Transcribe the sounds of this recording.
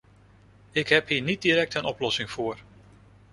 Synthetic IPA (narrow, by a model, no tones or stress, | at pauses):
ɪkɦɛpɦiːɹnid̚diɾɛk̚tənɔplɔsɪŋv̥ʊːɹ